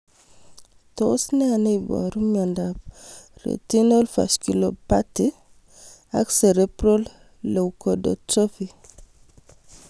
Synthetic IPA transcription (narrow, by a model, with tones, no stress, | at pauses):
to˦sne˦a˨ne˦jba̰˨ɾu˦mja˨ndap̚ɾḛ˨ti˦no˦lfa̰˨ʃki˨lo˨pati˦ | a̰kse˨ɾe˦pɾo˦lː | o˨wkodo̰t͡ʃo˦fi˦